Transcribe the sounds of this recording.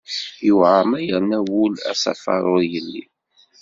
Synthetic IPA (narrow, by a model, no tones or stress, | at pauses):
juʕamæjəɾnæwʊlæ̰sæ̰fɑ̰ɾˤojəlːḭ